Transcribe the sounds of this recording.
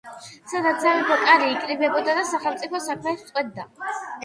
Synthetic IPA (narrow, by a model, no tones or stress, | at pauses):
sad̪at̪zamɛpʰɔkʼaɾiːkʼɾibɛbɔd̪ad̪asaχɛlˠmt̪sʼipʰɔsakʰmɛt̪t̪sʼqʼwɛd̪̚ːa̰